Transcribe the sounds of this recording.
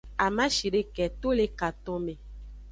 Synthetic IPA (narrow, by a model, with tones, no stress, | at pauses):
a˨mã˦ʃi˨ɖe˦kɛ˨t̪o˦le˦ka˨t̪ɔ̃˦mẽ˨